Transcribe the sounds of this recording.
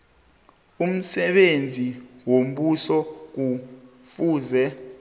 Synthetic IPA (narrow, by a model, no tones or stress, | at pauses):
um̩sɛɓend͡zʱiwom̩ɓusɔk̬ufuːzɛ